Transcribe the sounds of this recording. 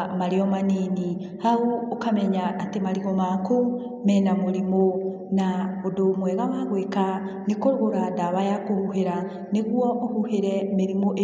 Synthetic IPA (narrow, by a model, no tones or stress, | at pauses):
maɾeɔmanini | hauːkamɛɲaːtemaɾiɣɔmako | mɛnamoɾimo | naodomwɛɣawaɣweka | nekoɾɣoɾadaβajakohuɦeɾa | neɣwɔːhuheɾɛmeɾimoʔe